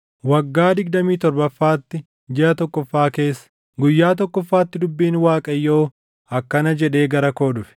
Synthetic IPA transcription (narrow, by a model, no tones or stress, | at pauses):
wɐɡːaːd̪ɪɡd̪ɐmiːt̪ɔɾbɐfːaːt̪ːɪ | d͡ʒɛʔɐt̪ɔkːɔfːaːke̞ːsːɐ̥ | ɡʊjːaːt̪̬ɔkːɔfːaːt̪ːɪd̪ʊbːiːnwaːkʼɐjːo̞ː | ɐkːɐnɐd͡ʒɛᶑe̞ːɡɐɾɐko̞ːd̪ʊfɛ̥